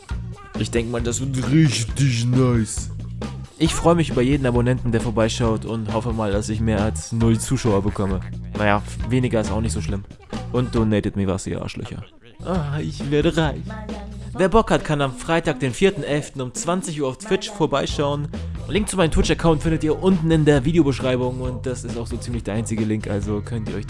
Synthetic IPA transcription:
ʔɪçd̥ɛŋkəmaːldasv̥ɪɐtʁɪçtɪçnaɪs | ʔɪçfʁ̥ɔʏəmɪçʔyːbɐjeːdn̩abonɛntn̩deːɐfoːɐbaɪʃaʊtʰʊnthɔfəmaːldasɪçmeːɐalsnʊlt͡suːʃaʊɐbəkʰɔmənajaːveːnɪɡɐɪstaʊxnɪçtz̥oːʃlɪm | ʔʊnt̚d̥onɛɪtətmiːva̰ːɐstḭːʔa̰ːʃlœ̰çɐ̰ | ʔaɪçv̥eːɐɾəʁaɪçveːɐbɔkhatkʰanamfʁ̥aɪtaːk̚d̥eːnfiːɐtn̩ʔɛlftn̩ʊmt͡sv̥ant͡sɪçʔuːɐaʊftʰv̥ɪt͡ʃfoːɐbaɪʃaʊənlɪŋk̚tt͡sʊmaɪnəmtʰw̥ɪt͡ʃɐkʰaʊntfɪndətiːɐʔʊntn̩ɪndeːɐviːdejobəʃʁ̥aɪbʊŋʊnt̚d̥asɪstaʊxz̥oːt͡siːmlɪçd̥eːɐʔaɪnt͡sɪɡəlɪŋkʔa̰lzokʰœntiːɐɔʏç

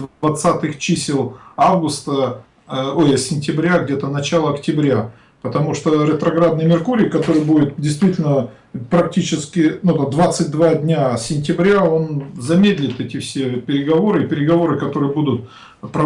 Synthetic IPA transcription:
vɐt̪sat̪ɨxt͡ɕisʲɪlˠavɡʊst̪ə | ojəsʲɪnʲtʲɪbɾʲaɡdʲet̪ənɐt͡ɕalˠəɐktʲɪbɾʲa | pət̪ɐmuʂt̪oɾʲɪt̪ɾɐɡɾad̪nəjmʲɪrkuɾʲɪjkɐt̪o̞ɾɨjbudʲɪt̪̚dʲɪjst̪vʲitʲɪlʲnə | pɾɐktʲit͡ɕɪskʲɪnud̪ad̪vat̪sɨtʲd̪vadʲnʲasʲɪnʲtʲɪbɾʲao̞nzɐmʲed̪ʲlʲɪt̪ɛtʲɪfsʲe̞pʲɪɾʲɪɡɐvo̞ɾɨɪpʲɪɾʲɪɡɐvo̞ɾɨkɐt̪o̞ɾɨjəbud̪ʊt̪̚ | pɾə

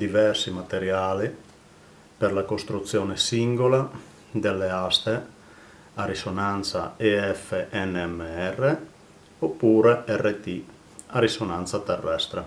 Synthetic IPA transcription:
d̪ivɛrsimat̪eɾjaːli | perlakost̪ɾut̪sːjɔːnesiŋɡola | d̪elːeast̪e | arisonant̪sa̰eɛfeʔɛnːeɛmːeɛrːe | opːuːɾeɛrːet̪i | arisonant̪sat̪erːɛst̪ɾe

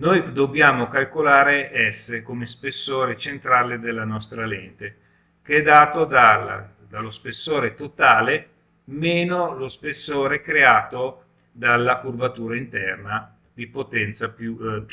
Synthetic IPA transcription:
nojd̪objaːmokalkolaːɾeʔɛsːekomespesːoːɾet͡ʃent̪ɾaːled̪elːanɔst̪ɾalɛnt̪e | keɛd̪aːt̪od̪al | d̪alːospesːoːɾet̪ot̪aːle | meːnolospesːoːɾekɾeaːt̪o | d̪alːakurbat̪uːɾaint̪ɛrna | d̪ipot̪ɛnt̪sapju

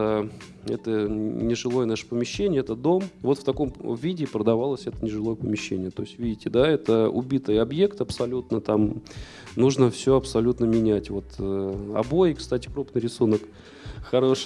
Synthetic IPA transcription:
ɛt̪ənʲɪʐɨlˠo̞jənaʂə̥pəmʲɪɕːenʲɪjəɛt̪əd̪o̞mvo̞t̪ft̪ɐko̞mvʲidʲɪpɾəd̪ɐvalˠəsʲɛt̪ə̥nʲɪʐɨlˠo̞jəpəmʲɪɕːenʲɪjət̪o̞ɪsʲtʲvʲidʲɪtʲɪd̪aɛt̪əʊ̰bʲit̪ɨjɐbje̞kt̪ɐpsɐlʲut̪nət̪am | nuʐnəfsʲɵɐpsɐlʲut̪nəmʲɪnʲætʲvo̞t̪ʰːɐ̰bo̞jɪkst̪atʲɪ̥kɾupnɨjɾʲɪsunək | xɐɾoʂ

